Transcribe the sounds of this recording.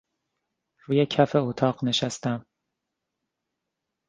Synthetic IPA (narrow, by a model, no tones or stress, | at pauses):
ɾuːjecʰæfe̞ot̪ʰɒːɢne̞ʃæst̪æm